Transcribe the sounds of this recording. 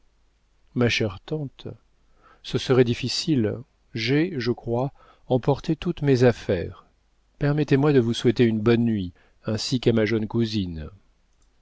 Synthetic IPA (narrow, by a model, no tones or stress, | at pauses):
maʃɛʁt̪ɑ̃t̪ | səsəʁɛd̪ifisil | ʒɛʒəkχwa | ɑ̃pɔʁt̪et̪ut̪mezafɛʁ | pɛʁmɛt̪emwad̪əvuswɛt̪eynbɔnːɥi | ɛ̃sikamaʒœnkuzin